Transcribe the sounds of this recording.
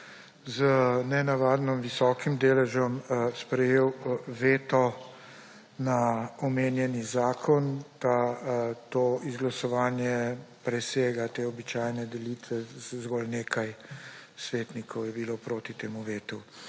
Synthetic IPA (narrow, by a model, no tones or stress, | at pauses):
zənɛnaʋaːd̪nɔmʋisɔːkimd̪eːlɛʒɔmspɾɛjewʋeːt̪ɔ | naɔmeːnjɛnizaːkʰɔnt̪at̪oːizɡlasɔʋaːnjɛpɾɛseːɡat̪eːɔbit͡ʃaːjnɛd̪ɛlit̪ʋɛzɡoːlneːkʰajsʋeːt̪nikʰɔwjɛbilopɾoːt̪it̪eːmuʋeːt̪u